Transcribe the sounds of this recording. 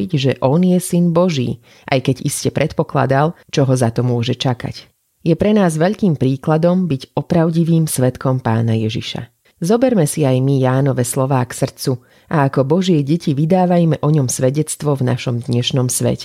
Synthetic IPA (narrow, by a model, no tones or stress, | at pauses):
iɟʒɛʔɔnjɛsinbɔʒḭː | ʔa̰jkɛɟiscɛpɾɛt̪pɔkla̰d̪alt͡ʃɔɦɔzat̪ɔmʊɔʒɛt͡ʃaka̰c | jɛpɾɛnaːzʋɛʎkiːmpɾiːklad̪ɔmbiɟɔpɾaʊɟiʋiːmsʋɛt̪kɔmpa̰ːnajɛʒḭʃa̰ | zɔbɛɾmɛsiajmijaːnɔʋɛslɔʋaːksr̩t͡su | ʔaːkɔbɔʒɪɛɟɛciʋid̪aːʋajmɛʔɔɲɔmsʋɛɟɛt͡st̪ʋɔvna̰ʃɔmd̪ɲɛʃnɔmsʋɛ̰cɛ